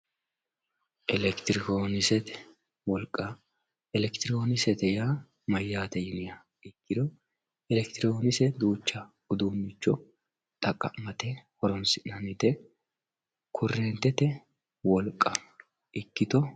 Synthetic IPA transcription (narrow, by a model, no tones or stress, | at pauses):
ʔɛlɛkt̪ɪɾɪkoːnɪsɛt̪ɛ̥ | wɔlkʼːɐ | ɛlɛkt̪ɪɾɪkoːnɪsɛt̪ɛjaː | mɐjːaːt̪ɛjɪnɪjɐ | ɪkːɪd̪ɔ | ɛlɛkt̪ɪɾoːnɪsɛd̪uːt͡ʃːɐɡʊd̪uːnːɪt͡ʃːɔ | t̪ʼɐkʼːɐ̰mɐt̪ɛhɔɾɔnsɪnɐnɪt̪ɛ | kʰʊrːɛːnt̪ːɛt̪ɛ | wɔlkʼːɐ | ʔɪkːɪt̪ɔ